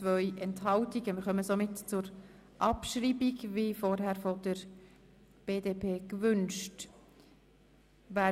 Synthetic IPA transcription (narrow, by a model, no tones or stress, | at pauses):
t͡svœʏʔɛnthɑltiɡəmɪɾχœməsomɪtt͡sʊɾ | ʔɑpʃɾiːbiɡvifɔɾɦæɾfɔdəɾ | b̥eːdeːpʰeːkvʏnʃt | ʋæː